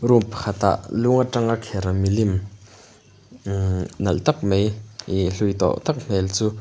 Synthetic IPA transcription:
roŋpkʰat̪a̰ʔluŋaʈ͡ʂaŋakʰeɾamilim | nalt̪ak̚meiɬuit̪ɔ̰ʔt̪ak̚m̥elt͡su

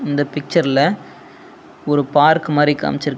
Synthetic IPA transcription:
ɪnd̪ɐpɪk̚t͡ʃɐɾɪlɐ | ɔɾɯpaːɾkɯmaːɾika̰ːmɪt͡ʃːɪɾɯkː

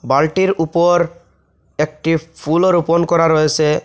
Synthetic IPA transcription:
balʈiɾupɔɾ | ek̚ʈipʰuloɾuponkɔɾaɾɔjet͡ɕʰe

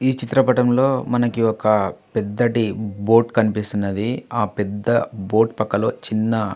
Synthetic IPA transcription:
iːt͡ʃit̪ɾɐpɐʈɐmlo̞ːmɐnɐkiɔkɐpɛd̪ːɐʈibo̞ːʈkɐnipist̪unːɐd̪iaːpɛd̪ːɐbo̞ːʈpɐkːɐlo̞ːt͡ʃinːɐ

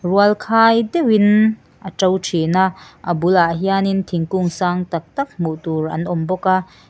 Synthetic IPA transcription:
ruəlkʰaːjdɛwin | ʔət͡sɔwʈ͡ʂʰenaʔʔɐbulaʔɦianint̪ʰiŋkuŋsaːŋt̪ɐk̚t̪ɐk̚muʔt̪urʔɐ̰nʔɔmbɔkaʔ

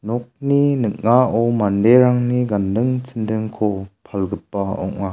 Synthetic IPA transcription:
nɔk̚ninɯk̚naɔwmandeɾaŋniɡandɯŋt͡sʰindɯŋkʰɔpʰalɡɯpːaɔ̰ŋːa

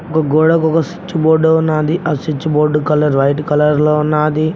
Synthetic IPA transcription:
ɔkɐɡoːɽɐkɔkɐsi̥t͡ʃːuboːɖoːunːaːd̪iʔɐsit͡ʃːuboːɖːukɐlɐɾʋɐjʈkɐlɐɾloːunːaːd̪i

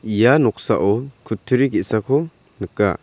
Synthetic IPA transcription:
ijanɔk̚sa̰ʔɔkʰutʰːɯɾiɡɛʔsakʰɔ | nɯkːa̰

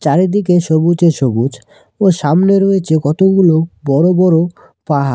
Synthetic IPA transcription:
t͡ɕaɾed̪ikeʃobud͡ʑeʃobud͡ʑ | oʃamneɾoet͡ɕʰekɔt̪oɡulobɔɾobɔɾo | paɦa̰

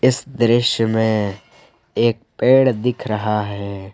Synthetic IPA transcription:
ɪsd̪ɾɪʃjəmẽ | eːk̚peːɽd̪ɪkʰɾɐɦaɦɛː

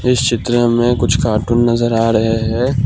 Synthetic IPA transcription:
ɪst͡ʃɪt̪ɾəmẽkʊt͡ʃʰkaːʈʊːnːɐzəɾaːɾɐɦeɦɛː

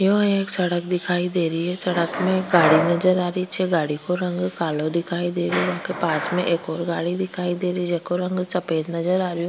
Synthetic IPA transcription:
joːeːksɐɽək̚d̪ɪkʰaːid̪eːɾiɦɛsɐɽəkmẽɡaːɽinɐd͡ʒəɾaːɾit͡ʃʰɛɡaːɽikoɾɐ̃ŋɡkaːlod̪ɪkʰaːid̪eːɾũʋɐɦkepaːsmẽʔeːkɔːɾɡaːɽid̪ɪkʰaːid̪eːɾəid͡ʒɛkoɾɐ̃ŋɡt͡ʃɐpeːd̪nɐzəɾaːɾjũ

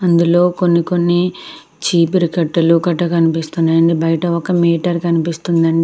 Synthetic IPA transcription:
ɐnd̪ulo̞ːko̞nːiko̞nːi | t͡ʃiːpiɾikɐʈːɐlukɐʈːɐkɐnipist̪unːajɐnd̪ibɐjɐʈɐɔkɐmiːʈɐɾkɐnipist̪und̪ɐɳɖi

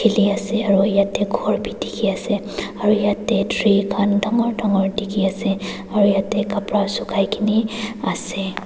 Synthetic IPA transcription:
kʰiliasɛaɹujatɛɡʱɔɹbʱidikʰiasɛ | aɹujatɛdʱɹikʰandʱɔŋɔɹdʱɔŋɔɹdikʰiasɛ | aɹujatɛkapɹasukʰajkʰiniasɛ

